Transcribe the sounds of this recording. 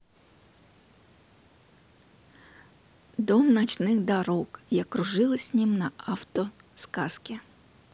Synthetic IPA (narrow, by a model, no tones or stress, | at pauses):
d̪ɔmnɐt͡ʃnɪɣd̪ɐɾɔkjɐkɾʊʒɪlˠɪsʲnʲimnɐɑwt̪ɔskɑskʲi